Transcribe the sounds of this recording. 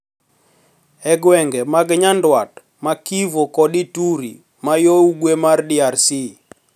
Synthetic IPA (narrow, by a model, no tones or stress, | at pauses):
ɛɡwɛŋɡɛmaɡɲandwat | makivokɔdituɾi | majowɡwemardiarsi